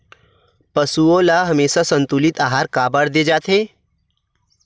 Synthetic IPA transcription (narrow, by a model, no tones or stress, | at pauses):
pɐsuõlaɦɐmeːsasɐ̃nt̪ulɪt̪aːɦaːɾkaːbəɽd̪eːd͡ʒaːt̪ɦeː